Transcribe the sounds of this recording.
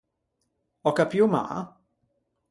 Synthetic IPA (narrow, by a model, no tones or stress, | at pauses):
ɔkɐpjuma̰